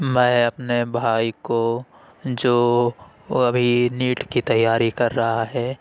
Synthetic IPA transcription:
mɛ̃ːɐpnebʱaːiko | d͡ʒoː | ɐbʱiniːʈkit̪ɐjːaːɾikɐɾːɐɦaɦɛː

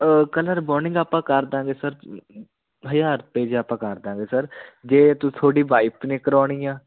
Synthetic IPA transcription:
kələɾbɔːɾnɪ̃ŋɡaːpãːkəɾd̪ãːɡeːsəɾ | ɦəjaːɾpeːd͡ʒaːpãːkəɾd̪ãːŋɡeːsəɾd͡ʒeːt̪ũt̪ʰoːɽiːʋaːɪpneːkəɾɔːɽ̃iːjãː

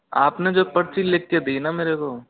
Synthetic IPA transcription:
aːpned͡ʒoːpɐɾt͡ʃileːkːed̪iːnameːɾekoː

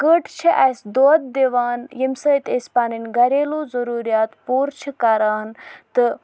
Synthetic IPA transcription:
kəʈʰt͡ʃʰiʔɐsd̪oːd̪̚d̪eʋaːnjimsəːt̪esʲpaːninɡɐɾeːloːzɐɾuːɾijaːt̪puːɾt͡ʃʰikaːɾaːnt̪ɨ

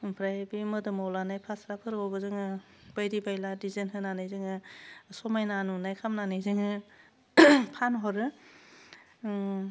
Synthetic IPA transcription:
pʰɾajbimɯdɯmawlanajpʰasɾapʰɯɾɔɡɯzɯŋɯ | b̥ajɾibajladizenɦɯnanajzɯŋɯsɔmajnanunajkʰamnanɯjzɯŋɯ | pʰanɦɔɾɯ

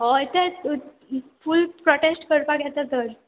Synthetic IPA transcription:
ɦɔit̪e | fulpɾɔʈesʈkəɾpakjɛt͡sat̪əɾ

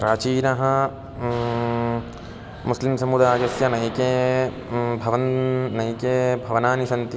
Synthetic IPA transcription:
ɾaːt͡ʃiːnɐɦɐ | muslimsɐmud̪aːɡɐsjɐnɐjkeː | bʱɐʋɐnnɐjkeːbʱɐʋɐnaːnisɐnt̪i

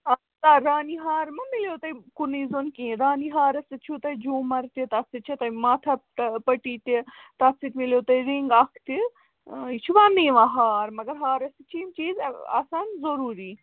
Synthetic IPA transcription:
ɐ | t̪aɾaːniɦaːɾmɐmiljot̪ɐjkuniːzonkĩːɾaːniɦaːɾɐsit͡ʃʰut̪ɐjd͡ʒuːmɐɾt̪it̪ɐsit͡ʃʰit̪ɐjmaːt̪ʰɐpɐʈiːʈit̪at͡sʰit̪miljot̪ɐiɾiŋɡaːkʰt̪i | it͡ʃʰuʋaːniːʋãɦaːɾmɐɡɐɾɦaːɾɐsit͡ʃʰint͡ʃiːza̰ːsaːnzɐɾuːɾiː

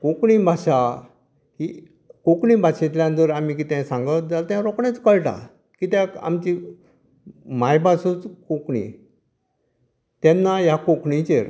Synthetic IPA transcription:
kokɳibʱaɕa | hi | kokɳibʱaɕet̪ljãnt̪əɾamik̬it̪ɛ̃sãŋɡət̪̚d͡zalt̪jaɾɔkɳet͡skəɭʈa̰ | kit̪jaa̰mt͡ɕi | majpasũt͡skokɳḭ | t̪ɛnːajakokɳit͡ɕeɾ

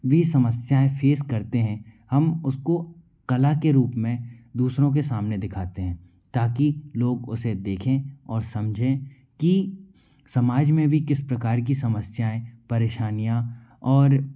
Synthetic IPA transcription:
ʋisɐməsjaːẽfʰeːskɐɾt̪eɦɛ̃hɐmʊsko | kɐlakeɾuːpmẽd̪uːsɾõk̬esaːmned̪ɪkʰaːt̪eɦɛ̃ː | t̪aːkiloːɡʊsed̪eːkʰẽɔːɾsɐmd͡ʒʱẽ | ki | sɐmaːd͡ʒmẽbʱikɪspɾɐkaːɾk̬isɐməsjaːẽpɐɾeːʃaːnijã | ɔːɾ

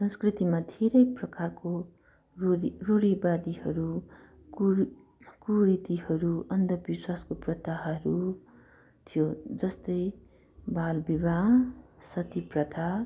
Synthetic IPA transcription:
sʌ̃nskrit̪imad̪ʱeɾʌjprʌkarko | ruɽibad̪ihʌɾu | kuɾit̪ihʌɾuʌnd̪ʌbiswaskoprʌt̪aɦʌɾu | t̪ʰijod͡zʌst̪ʌj | balbibasʌt̪iprʌt̪ʰa

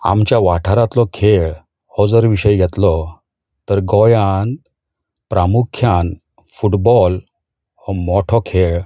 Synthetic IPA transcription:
a̰mt͡ɕjaʋaʈʰaɾat̪lɔkʰeɭ | hɔd͡zəɾʋiɕəjɡʱɛt̪lɔ | t̪əɾɡɔjãn | pɾʔamukʰjãn | fuʈbɔl | hɔmɔʈʰɔkʰeɭ

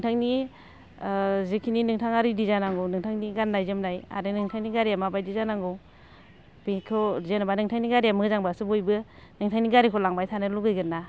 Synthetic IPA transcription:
nɯŋtʰaŋni | zɯkʰininɯŋtʰaŋaɾidizanaŋɡɯwnɯŋtʰaŋniɡanːajzɯmnaja̰ɾɯnɯŋtʰaŋniɡaɾijamabajdizanaŋɡɯw | bikʰɔzenabanɯŋtʰaŋniɡaɾiamɯzaŋbasɯbojbɯnɯŋtʰaŋniɡaɾikʰɔlaŋbajtʰanɯluɡɯjɡɯnːa

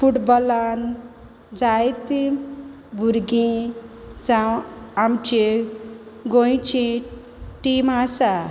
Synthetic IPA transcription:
pʰuʈbɔlan | d͡zajt̪i | bʱuɾɡĩ | t͡sawamt͡ʃe | ɡoj̃t͡ʃʰĩ | ʈimasa

